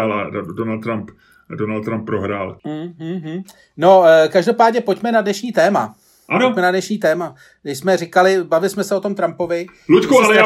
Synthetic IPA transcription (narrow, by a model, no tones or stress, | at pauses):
aladonalt̪t̪ɾamp | donalt̪t̪ːɾamp̚ːɾoɦɾaːl̩ːɦ̩ɦ̩ | no̞kaʒdo̞paːdɲɛpo̞cmɛnadnɛʃɲiːt̪ɛːma̰ | ʔaomɛnadnɛʃɲiːt̪ɛːma | ɡdɪʃsmɛrɪkalɪbavɪlɪsmɛsɛot̪o̞mt̪ɾampo̞vɪ | lut̪kual